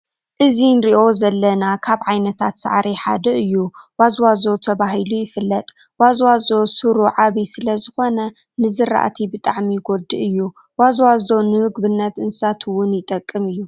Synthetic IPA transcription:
ʔɨzinɾiʔo̞zɐlːɐnakʰaβʕajnɐt̪ʰat̪sa̰ʕɾʔiħa̰d̪ɐʔɨjːuwazwazo̞t̪ʰɐβaɦɨlujɪfɨlːɐt̪ʼ | wazwazo̞sɨɾuʕaβisɨlɐzɨxo̞nɐ | nɨzɨɾa̰ʔa̰t̪ʰibɨt̪ʼaʕmiɡo̞d̪ɨʔɨjːu | wazwazo̞nɨmɨɡbɨnːɐt̪ʔɨnsat̪ʰɨwʊnjɪt̪ʼɐkʼːɨmɨjːu

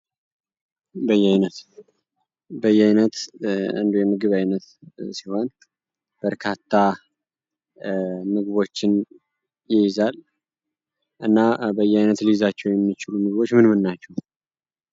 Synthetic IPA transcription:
bəjːɛajnət̪ | bəjːɛajnət̪ɨ̰nd̪ojɛmɨɡɨβajnət̪siho̞n | b̥əɾkʰat̪ʰːa | mɨɡβo̞t͡ʃːɪn | jɪjɪzal | ʔɨnːabəjːɛajnət̪lijzat͡ʃːɛwjɛmːit͡ʃɪlumɨɡβo̞t͡ʃːmɨnmɨnːat͡ʃːɛw

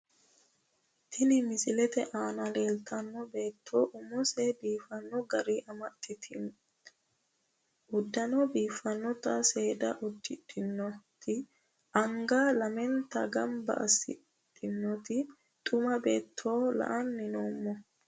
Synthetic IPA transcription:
t̪ʰɪnɪmɪsɪlɛt̪ɛʔaːnɐle̞ːlt̪ʰɐnːɔbe̞ːt̪ʰːoːʔʊmɔsebiːfɐnːɔɡɐɾiʔɐmɐt̪ːɪt̪ʰ | ʊd̪ːɐnɔbiːfɐnːɔt̪ɐse̞ːd̪ɐʔʊd̪ːɪt̪ʼːɪnːɔt̪ɪ | ɐŋɡalɐmɛnt̪ɐɡɐmbɐ̰ʔɐ̰sɪ̰ | t̪ʼːɪnːɔt̪ɪ | t̪ʼʊmɐbeːt̪ʰːo̞ːlɐ̰ʔɐnːɪnoːmːɔ

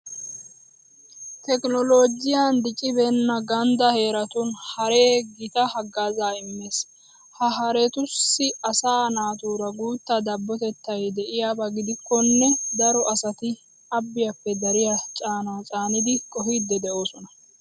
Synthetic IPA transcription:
t̪ɛkʼnɔlo̞ːd͡ʒɪjand̪ɪt͡ʃʼɪbɛnːɐɡɐnd̪ɐhe̞ːɾɐt̪ʊnhɐɾeːɡɪt̪ɐhɐɡːaːzaːɪmːe̞ːs | hɐɦɐɾɛt̪ʊsːɪɐsaːnaːt̪uːɾɐɡuːt̪ːɐd̪ɐbːɔt̪ɛt̪ːɐjd̪ɛʔɪjaːbɐɡɪd̪ɪkːɔnːɛd̪ɐɾɔʔɐsɐt̪ɪ | ɐbːɪjɐpːɛd̪ɐɾɪjat͡ʃʼaːnaːt͡sʼaːnɪd̪ɪkʼɔɦid̪ːɛd̪ɛo̞ːsɔnɐ

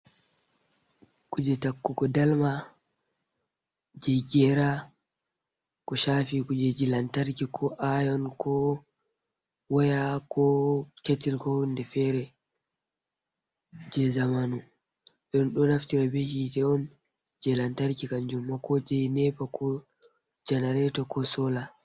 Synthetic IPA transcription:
kud͡ʒɛtakːukɔdalma | d͡ʒɛjɡɛɾa | kɔʃafikud͡ʒɛd͡ʒilantaɾkikʰɔʔajɔnkʰɔ | wɔjakʰɔketilkɔndɛfɛɾɛ | d͡ʒɛzamanu | ɓɛɗɔnɗɔnaftiɾabehitɛɔn | d͡ʒɛlantaɾkikand͡ʒumːakɔd͡ʒɛjnɛpakʰɔ | d͡ʒɛnaɾɛtɔkʰɔsɔla

